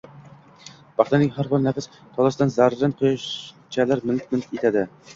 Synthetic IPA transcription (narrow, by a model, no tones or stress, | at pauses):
b̥ɑχt̪anɪŋɦaɾbɨɾnæfɪs | t̪ʰɒlˠasd̪anzæɾːanqʰojʃ | t͡ʃʰælæɾmɪlk̚ʲmɪlkʲet̪ʰad̪ɪ